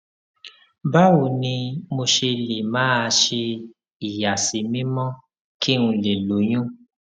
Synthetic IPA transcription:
ba˦wu˨nĩ˧mo˧ʃe˧le˨mãː˨˦a˧ʃe˧ | i˨ja˨si˨˦mĩ˦mɔ̃˦ | ki˦ũ˧i˨le˨lo˨˦j̃ũ˦

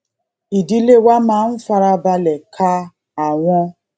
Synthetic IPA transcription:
i˨di˦le˦wa˦ma˨˦n̩˦fa˦ɾa˦ba˦le˨kʰa˦ | a˨ŋʷʊ˦

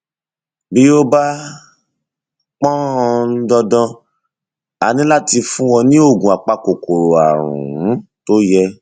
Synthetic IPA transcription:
bi˦o˦ba˦ | k͡pɔ̃˦ɔ̃˧n̩˦dɔ˧dɔ̃˧ | a̰˨nĩ˨˦la˦ti˧fũ˦wɔ̃˧nĩ˦o˦˨ɡũ˨a˨k͡pa˧ko˨ko˨ɾo˨a̰˨ɾ̃ṵ̃˨ũ˨˦to˦jɛ˧

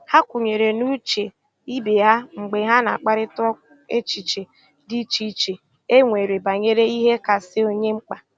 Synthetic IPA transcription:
ha˦kʷʊ˨ɲe˨ɾe˨nu˦t͡ʃe˨ | i˦be˨a˦ŋ͡m̩˨ɡ͡be˨ɦa˦na˨a˨k͡pa˦ɾɪ˦tʊ˦ | e˦t͡ʃi˨t͡ʃe˨ | di˦t͡ʃi˦t͡ʃe˨ | e˦ŋʷe˨ɾe˨ba˨ɲe˦ɾe˦i˦ɦe˦ka˨sɪ˦o˦ɲe˦ŋ͡m̩˦k͡pa˨

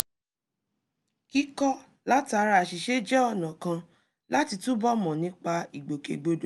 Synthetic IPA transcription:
ki˦kɔ˦ | la˦ti˦a˧ɾa˧a˨ʃi˨ʃe˦d͡ʒɛ˦ɔ˦˨nã˨kã˧ | la˦ti˧tũ˦bɔ˦mɔ̃˨nĩ˨˦k͡pa˧i˨ɡ͡bo˨kḛ˨ɡ͡bo˨do˨

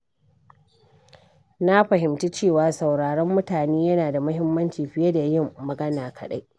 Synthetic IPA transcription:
na˦ɸɐ˨hɪ˨mti˦t͡ʃeː˦˨waː˨sɐ˨wɽaː˨ɽɔ˦mːʊ˦taː˨neː˦jɐ˦naː˨da˨mʊ˦ɦɪ˦mːɐ˦nt͡ʃiː˨ɸɪ˦jɐ˦da˨jɪ˦˨mːɐ˨ɡɐ˦naː˨kʰɐ˨ɗa˦jʔ

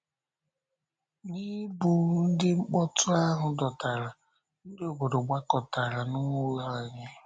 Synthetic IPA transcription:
ni˦bu˨n̩˦dɪ˦ŋ͡m̩˦k͡pɔ˦tʊ˦a˦ɦʊ˨dɔ˨ta˨ɾa˨ | n̩˦dɪ˦o˨bo˨ɾo˨ɡ͡ba˦kɔ˨ta˨ɾa˨nʊ˦ŋo˦la˦a˨ɲe˦

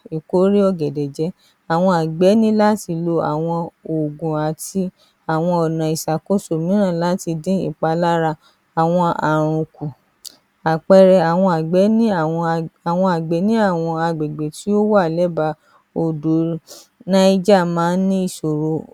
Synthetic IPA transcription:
i˨ko˨˦ɾi˦ɔ˧ɡɛ˨dɛ˨d͡ʒɛ˨˦ | a˨w̃ɔ̃˧a˨ɡ͡bɛ˨˦nĩ˦la˦ti˧lo˧a̰˨w̃ɔ̃˧o˨ɡũ˨a˨ti˧ | a˨w̃ɔ̃˧ɔ˨nã˨i˨sa˨ko˦so˨mĩ˨˦nã˦˨la˨˦ti˧dĩ˦ḭ˦˨k͡pa˧la˦ɾa˧ | a˨w̃ɔ̃˧a˨ɾ̃ũ˨ku˨ | a˨k͡pɛ˧ɾɛ˧a˨w̃ɔ̃˧a˨ɡ͡bɛ˨˦nĩ˦˨˧a˨w̃ɔ̃˧a˨ɡ͡bɛ˨˦nĩ˦a˦˨w̃ɔ̃˧a˧ɡ͡bɛ˨ɡ͡be˨ti˨˦o˦wa˦˨lɛ˨˦ba˧˦ | o˧do˨˦ | nã˦i˦d͡ʒa˦˨mãː˨˦nĩ˦i˦˨so˨ɾo˧˦

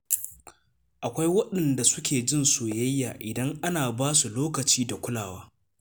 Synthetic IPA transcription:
ʔa˨kʷa˦jwɐ˦ɗɐ˨nda˨sʊ˦kʲeː˨d͡ʒɪ˦nsoː˨jɐ˦jːaː˨ʔɪ˨dɐ˦ŋʔa˦naː˨baː˦su˨loː˦kɐ˨t͡ʃiː˦da˨kʷʊ˦laː˨waː˦

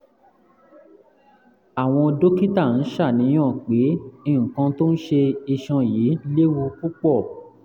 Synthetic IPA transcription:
a˨w̃ɔ̃˧do˦ki˦ta˦˨n̩˨˦ʃa˦˨nĩ˨˦j̃ã˦˨k͡pe˨˦ĩ˦˨ũ˨kã˧to˦n̩˦ʃe˧i˧ʃɔ̃˧ji˨˦le˦wu˧ku˦k͡pɔ˦˨

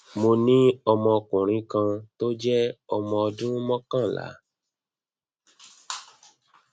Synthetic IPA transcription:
mo˧nĩ˦ɔ˧mɔ̃˧kũ˨ɾ̃ĩ˨˧kã˧to˦d͡ʒɛ˦ɔ˧mɔ̃˧ɔ˧dũ˦mɔ̃˦kã˦˨la̰˨˦

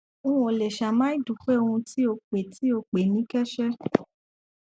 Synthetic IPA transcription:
o˦˧ũ˦o˨lɛ˨ʃa˨mãː˦i˦du˨˦k͡pɛ˦o˧hũ˧ti˦o˧k͡pe˨tʰi˨˦o˧k͡pe˨nĩ˨˦kɛ˦ʃɛ˦

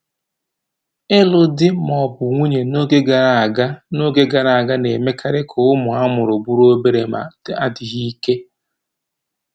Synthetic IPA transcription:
ɪ˦lʊ˨dɪ˦mɔ˨bʊ˨ŋʷu˦ɲe˨no˦ɡe˦ɡa˨ɾa˦˨ɡa˦no˦ɡe˦ɡa˨ɾa˨a˨ɡa˦ne˨me˦kʰa˦ɾɪ˦kʰʊ˨ʊ˦mʊ˨a˦mʊ˨ɾʊ˨bu˦ɾo˦be˦ɾe˨ma̰˨d̥a˦dɪ˨ɣi˦ke˦

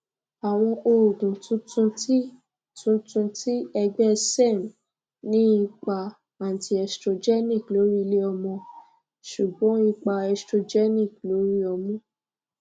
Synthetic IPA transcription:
a˨w̃ɔ̃˧ʔo˧ɾu˨ɡũ˨tũ˨˦tũ˧ti˦ | tũ˦tũ˧ti˦ɛ˧ɡ͡bɛ˦se˦˨m˨ | nĩ˦i˧k͡pa˧ | ã˨ti˧ɛ˨stɾo˧d͡ʒɛ˦nĩ˦˨klo˨˦ɾi˦le˦ɔ˧mɔ̃˧ | ʃu˨ɡ͡bɔ̃˨˦i˧k͡pa˧ɛ˧stɾo˧d͡ʒɛ˦nĩ˦˨klo˨˦ɾi˦ɔ˧mɔ̃˨˦

